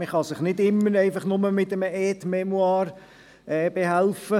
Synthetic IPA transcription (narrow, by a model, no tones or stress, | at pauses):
məχɑsɪχnɪdɪmːəɾeɪfɑχnʊməmɪtəməɛːtmɛmwɑːɾ | ɛːb̥eɦælfə